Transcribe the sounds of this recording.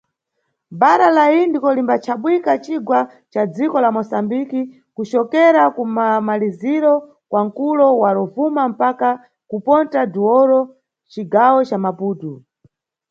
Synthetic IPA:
baɾalaindikɔlimbat͡ʃʰaɓwikat͡ʃiɡwa | t͡ʃad͡zikɔlamɔsambiki | kut͡ʃɔkɛɾakumamaliziɾɔ | kwaŋ̩kulɔwaɾɔvumam̩paka | kupɔntaduɔɾɔ | t͡ʃiɡawɔt͡ʃamapuːtu

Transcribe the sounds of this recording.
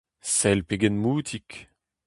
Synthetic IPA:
sɛlpeɡɛnmuːt̪ʰik

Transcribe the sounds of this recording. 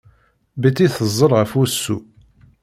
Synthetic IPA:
bət͡sːiθəzˤːəɾʁəfʊɾsːu

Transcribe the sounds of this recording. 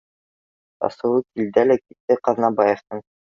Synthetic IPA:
ɑ̰sɤ̆wɤkild̪ælækit̪ːɘqɑðnɑbɑjɤ̆ft̪ɤɴ

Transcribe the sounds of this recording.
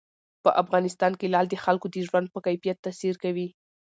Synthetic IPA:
pəʔafɣɑnɪst̪ɑnkelɑld̪əxalkod̪əʒwand̪̚pəkajfijat̪ːasiɾkawi

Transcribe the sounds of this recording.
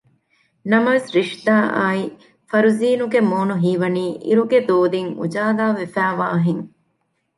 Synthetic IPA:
nɐmɐʋesɾiʂt̪aːʔaːi | fɐɾuziːnuɡemoːnuɦiːʋɐniːʔḭɾuɡed̪oːd̪iŋṵd͡ʒaːlaːʋefæːʋaːɐɦeŋ

